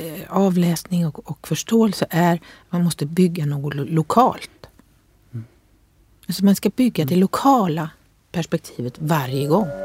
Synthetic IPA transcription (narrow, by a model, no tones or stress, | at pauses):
ɑːvlɛːsnɪŋɔɔkfœʂʈoːɛlsəʔæɾmanmɔst̪əbʏɡːanoːɡɔlʊkʰɑːlt̪ | alsɔmanskabʏɡːad̪ɪlʊkʰɑːla | pʰæʂpɛk̚t̪ʰiːvət̪vaɾjəɡɔŋː